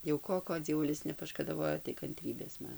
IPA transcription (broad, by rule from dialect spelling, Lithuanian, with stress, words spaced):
jɛʊ ˈkoː ˈkoː d͡zʲiɛˈʋʊlʲɪs nʲɛpɐʃkɐdɐˈʋoːjoː tɐɪ kɐnʲˈtʲrʲiːbʲeːs ˈmɐn